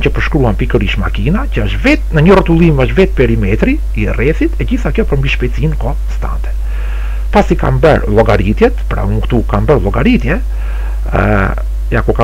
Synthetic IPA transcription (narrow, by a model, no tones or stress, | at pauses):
cəpəɾʃkɾuanpikəɾiʃma̰kinacəəʃvɛt̪̚nəɲərɔt̪ulˠiməʃvɛt̪̚pɛɾimɛt̪ɾiːrɛθit̪ɛɟiθakjɔpəɾmbiʃpɛt͡sinkɔ | st̪a̰nt̪ɛ̥ | pasika̰mbə̰ɾlˠɔɡaɾit̪jɛt̪pɾa̰uŋkt̪ukanbəɾlˠɔɡaɾit̪jɛ̰ | jakɔka